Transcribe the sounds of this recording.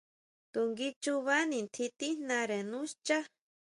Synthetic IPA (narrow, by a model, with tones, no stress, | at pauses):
t̪u˨ŋɡi˦t͡ʃu˧βa˦nĩ˨nt̪ʰi˧t̪i˦nã˧ɾe˨nũ˦st͡ʃa˦